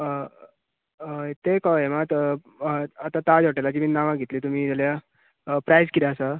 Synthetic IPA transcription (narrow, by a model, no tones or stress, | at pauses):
t̪ekɔemat̪ | at̪at̪ad͡zoʈelat͡ɕiminaʋãɡʱet̪liːt̪um̤iːd͡zalja | pɾajzkid̪aːsə